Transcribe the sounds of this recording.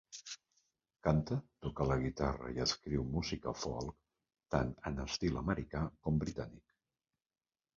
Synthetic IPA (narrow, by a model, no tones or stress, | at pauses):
kant̪ət̪ukələɣit̪arə̰iəskɾiwmuzikəfɔ̰lˠk | t̪anənəst̪iləməɾikakɔmbɾit̪anik